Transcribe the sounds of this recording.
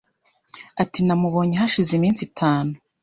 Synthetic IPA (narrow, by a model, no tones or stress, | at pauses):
atinamuβo̞ːɲiɦaʃizimiːnt͡sitʰaːnu